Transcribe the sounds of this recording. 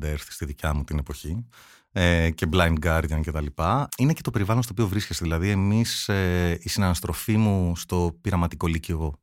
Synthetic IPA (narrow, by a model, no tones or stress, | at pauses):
d̪ɐeɾθi̥st̪iðicɐmut̪ine̞po̞çi | ece̞blɐind̪ɡɐɾðiɐnce̞t̪ɐlipɐine̞cet̪o̞pe̞ɾivɐlons̬t̪opio̞vɾiscest̪eðilɐðie̞miseisinɐnɐst̪ɾo̞fimust̪o̞piɾɐmɐt̪iko̞licioo